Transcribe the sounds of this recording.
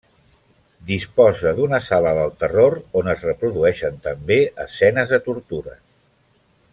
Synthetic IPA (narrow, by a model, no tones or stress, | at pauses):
d̪ispɔzəðunəsaləðəlˠt̪əroɾonəzrəpɾuðuɛʃənt̪əmbeəsɛnəzðət̪uɾt̪uɾə